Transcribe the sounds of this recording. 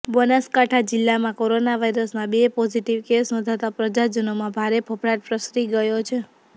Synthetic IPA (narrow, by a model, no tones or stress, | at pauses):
bənəskaʈʰad͡ʒɪlːamãkoɾonaʋajɾəsmãbepɔd͡ʒiʈiʋkesnɔ̃d̪ʱat̪apɾəd͡ʒad͡ʒənomãbʱaɾepʰəpɾaɾpɾəsɾiɡəjot͡ʃʰe